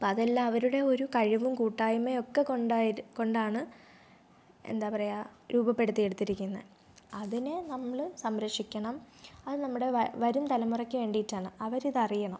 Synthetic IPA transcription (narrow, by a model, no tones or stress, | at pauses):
pːɐðɐlːaːʋɐɾuɽe̞o̞ɾukɐɻiʋumkuːʈːaːjume̞o̞kːe̞koɳɖako̞ɳɖaːɳɨ | ḛnd̪aːpɐrɐjaɾuːbɐpːe̞ɽut̪ːijeɽut̪ːiɾikʲːunːɐð | ɐðine̞nɐmːɐɭsɐmɾɐkʂikʲːɐɳɐmɐðɨnɐmːuɽe̞ʋɐɾumt̪ɐlɐmːurɐkʲːɨʋe̞ːɳɖijitːaːɳɨɐʋɐɾiðɐrijɐɳɐm